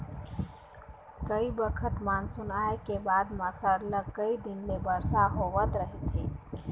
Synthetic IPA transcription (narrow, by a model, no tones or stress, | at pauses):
kəibəkʰət̪maːnsʊnaːekebaːd̪məsəɾləɡkəid̪ɪnmẽbəɾsaɦoʋət̪ɾəɦet̪ɦeː